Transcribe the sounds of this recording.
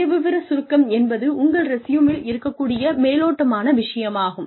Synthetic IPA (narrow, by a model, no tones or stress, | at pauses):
ɐʋɪʋɪɾɐsʊɾɯkːɐmɛnbɐðɯʊŋɡɐɭɾɛsɪjɯmɪlɪɾɯkːɐkːuːɽɪjɐmeːloːʈːɐmaːnɐʋɪʂɐjɐmaːɣɯm